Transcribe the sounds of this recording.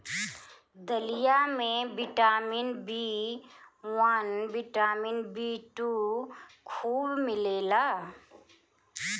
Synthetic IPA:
d̪əlijamẽbɪʈaːmɪnbi | wanbɪʈaːmɪnbiːʈu | kʰuːbmɪleːlaː

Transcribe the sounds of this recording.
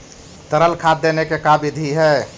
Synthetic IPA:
t̪əɾəlkʰad̪ːenekekabid̪ʱiɦɛː

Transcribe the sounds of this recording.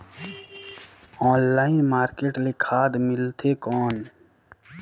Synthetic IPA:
ɔːnlaːɪnmaːɾkeːʈlekʰaːd̪mɪlt̪ʰekɔːn

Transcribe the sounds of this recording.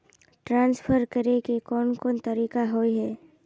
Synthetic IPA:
ʈɾãːnspʰəɾkɐɾekikɔːnkɔːnt̪ɐɾiːkaɦoiɦɛː

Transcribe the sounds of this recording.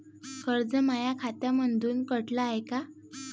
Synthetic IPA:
kəɾd͡zəmajakʰat̪jamənd̪ʱuːnkəʈlaːjka

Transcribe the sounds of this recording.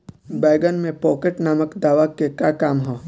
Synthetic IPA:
baːɡənmẽpɔːkeʈnaːməkd̪aːʋakekjaːkaːmɦoː

